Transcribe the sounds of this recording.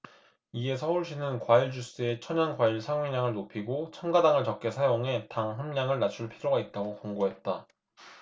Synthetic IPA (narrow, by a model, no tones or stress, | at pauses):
ie̞sʰʌuɭɕ͈inɯnkwaiɭd͡ʑus͈ɯe̞t͡ɕʰʌɲʌnkwaiɭsʰaŋɥeɲaŋɯɭnopʰiɡot͡ɕʰʌnɡadaŋɯɭt͡ɕʌk̚k͈e̞sʰajoŋɦe̞taŋɦamɲaŋɯɭnat͡ɕʰuɭpʰiɾoɡait̚t͈aɡokoŋɡoɦe̞t̚t͈a